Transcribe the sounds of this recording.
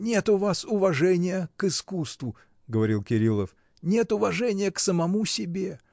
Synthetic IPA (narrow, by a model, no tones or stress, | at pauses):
nʲe̞t̪ʊvasʊvɐʐɛnʲɪjəkɨskust̪vʊ | ɡəvɐɾʲilˠkʲɪɾʲilˠəf | nʲe̞t̪ʊvɐʐɛnʲɪjəksəmɐmusʲɪbʲe̞